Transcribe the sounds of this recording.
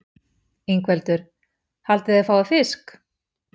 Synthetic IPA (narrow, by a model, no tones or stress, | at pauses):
iŋkʰvɛlt̪ʏɾ̥ | halt̪ɪðɛfaːwðafɪsk